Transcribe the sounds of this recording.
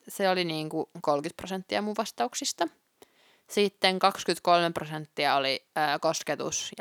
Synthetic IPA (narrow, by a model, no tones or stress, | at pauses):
seoliniːŋkukolkyt̪̚prosent̪ːiɑmuʋʋɑst̪ɑuksist̪ɑ | sit̪ːeŋkɑkskyt̪kolmeprosent̪ːiɑoliːkosket̪ṵsj